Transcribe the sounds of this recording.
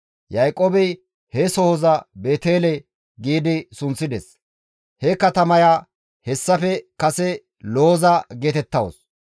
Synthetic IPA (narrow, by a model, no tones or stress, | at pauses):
jɐjkʼːoːbɛj | hɛsɔhɔzɐbe̞ːt̪eːlɛ | ɡiːd̪ɪsʊnt͡sːɪd̪ɛs | hɛkɐt̪ɐmɐjaː | hɛsːɐfɛkɐsɛ | loːzɐɡeːt̪ɛt̪ːɐwo̰s